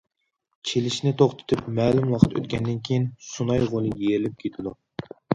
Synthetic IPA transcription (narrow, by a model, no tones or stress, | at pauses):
t͡ʃʰelɪʃnɪt̪ʰoχt̪ʰɨ̥t̪ʰɨpmɛːlumwˠɑχət̪ʰø̰t̪kʲʰɛnd̪ɪnkʲʰejinsunɑjʁolˠɨjeɾɪlɪp̚kʲʰet̪ʰɪd̪u